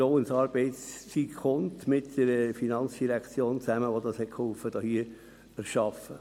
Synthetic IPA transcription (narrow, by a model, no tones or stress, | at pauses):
oʊənsɑːɾb̥ɛɪtst͡sikχʊntmɪtd̥əɾəfinɑnt͡sd̥iɾækt͡sjoːnt͡sæməʋodɑshɛtkʰhɔlfəd̥ɑːhiə | æɾʃɑfə